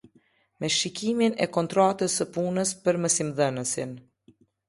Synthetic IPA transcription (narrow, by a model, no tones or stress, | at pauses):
mɛʃikiminɛ̰kɔnt̪ɾat̪əsəpunəspəɾməsimðənəsin